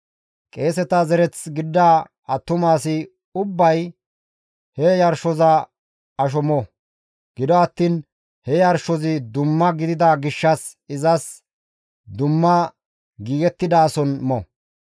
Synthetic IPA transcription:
kʼe̞ːsɛt̪ɐzɛɾɛt͡sɡɪd̪ːaː | ɐt̪ːʊmaːsɪ | ʊbːɐj | hɛjɐɾʃɔzɐ | ɐʃ̬ɔmɔ | ɡ̥ɪd̪ɔɐt̪ːiːn | hɛjɐɾʃɔzɪd̪ʊmːɐɡɪd̪ɪd̪ɐɡɪʃːɐs | ɪzɐs | d̪ʊmːɐ | ɡiːɡɛt̪ːɪd̪aːsɔnmɔ

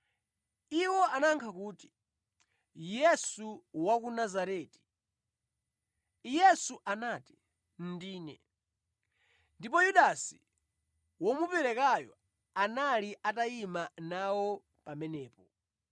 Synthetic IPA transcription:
iwɔʔanaŋkʰakuːti̥ | jɛsuwak̬unazaɾɛːti̥ | jɛsuʔanaːti̥ | n̩diːnɛ̰ | ndip̬ɔjuɗasi | wɔmupɛɾɛkajɔ | analiʔataimanawɔ | pamɛnɛːpɔ

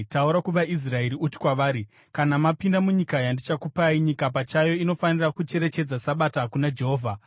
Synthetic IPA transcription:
tauɾakuʋaʔis̬raeɾiuti̥kwaʋaːɾi | kanamapindamuɲikajandit͡ʃakupaiɲikapat͡ʃajo̞ino̞fanirakut͡ʃe̞ɾe̞t͡ʃe̞d͡zasaɓataɦakunad͡ʒe̞ɦo̞ːvʱa

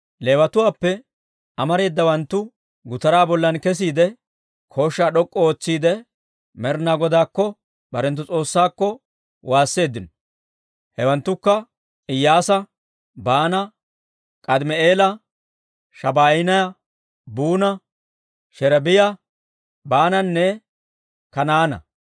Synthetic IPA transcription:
le̞ːwɐt̪ʊwaːpːɛ | ʔɐmɐɾe̞ːd̪ːɐwɐnt̪ːʊ | ɡʊt̪ɐɾaːbɔlːɐnkɛs̬iːd̪ɛ | kʰo̞ːʃːaːɗɔkʼːɔoːt͡sːiːd̪ɛ | mɛɾnaːɡɔd̪aːkːɔ | bɐɾɛnt̪̬ːʊt͡sʼo̞ːsːaːkːɔ | waːsːe̞ːd̪ːɪnɔ | hɛwɐnt̪ːʊkːɐ | ɪjːaːsɐ | baːnɐ | kʼɐd̪mɛeːlɐ | ʃɐbaːjɪnɐjɐ | buːnɐ | ʃɛɾɐbɪjɐ | baːnɐnːɛ | kɐnaːnɐ̰

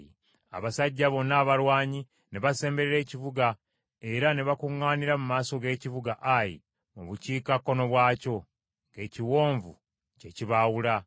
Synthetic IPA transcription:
a̰βasaɟːaβo̞naːβalwaːɲi | neβase̞ːmbe̞ɾeɾe̞ːciβuɡa | e̞ɾaneβakuŋːaːniɾamumaːso̞ɡe̞ːciβuɡaʔajḭ | muβuciːkakːo̞no̞βwaːco̞ | ŋɡe̞ːciwo̞ːɱvṵ | ceciβawula

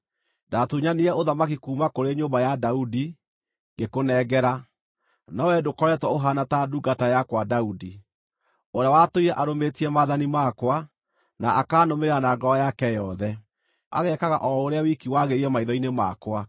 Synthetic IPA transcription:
datuɲaniɛoðamakikuːmakoɾeɲoːmbajadaudi | ŋɡekonɛɡɛɾa | nɔwɛdokɔɾɛtwɔoɦanataduɡatajakwadaudi | oɾeawatoiɾɛʔaɾometiɛmaðanimakwa | naakaːnomeɾeɾanaːɡɔɔjakɛjɔðɛ | a̰ɣɛkaɣaʔɔoɾeawikiwaɣeɾiɛmaiðɔinema̰kwa

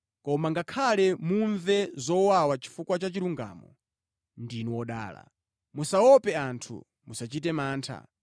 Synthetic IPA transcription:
kɔmaŋɡakʰalɛmuɱvɛzɔwawat͡ʃi̥fukwat͡ʃat͡ʃiɾuŋɡa̰ːmɔ̰ | ndinɔwɔɗa̰ːla̰ | musaɔpɛantʰṵ | musat͡ʃitɛmaːntʰa̰

